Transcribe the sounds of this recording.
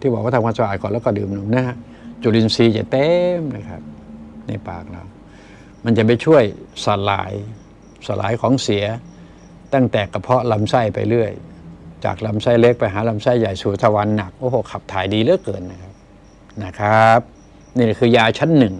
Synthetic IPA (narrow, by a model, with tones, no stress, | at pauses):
t̪ʰiː˧˩bɔː˨k̚wa˥˩t̪ʰa˧kʰa˧nsa˧ʔaː˨˩t̪̚kɔː˨˩nlɛː˦˧˩kːɔː˥˩dɯː˨˧mnu˧˦mna˦˥˩ɦa˧˥ | t͡ɕu˨˧˩li˧nsiː˧t͡ɕa̰˨˩t̪ɛː˦˥mna˧˩kʰa̰˦˥p̚na̰˧˩jpa̰ː˨˩k̚la̰ː˧˩w | ma˧nt͡ɕa˨˩ma˧jt͡ɕʰu˥˩əjsa˨˩la̰ː˨˦j | sa˧˩lʔa̰ː˨˦jkʰɔː˨˦ŋsi˨˩˦ɐ | t̪a˥˩ŋt̪ɛː˨˩ka˧˩pʰɔ˦˥la˧msa˥˩jpa̰˧jlɯ˥˩əjt͡ɕa̰ː˨˩k̚la˧msa˥˩jle˦˥k̚pa˧jɦaː˩˦la˧msa˥˩jːa˨˩jsu˨˩˦t̪ʰa˧wa˧nːa˨˩k̚ʔoː˧˩hoː˧˩kʰa˨˩p̚t̪ʰaː˨˩˦jdiː˧lɯ˦˥˨jkɤː˨˩nːa˦˩kʰa˦˥p̚ | na˦˧˥kʰa˦˥p̚ | niː˧˩la˨˩kʰɯː˧jaː˧t͡ɕʰa˦˥nːɯ˨˩ŋ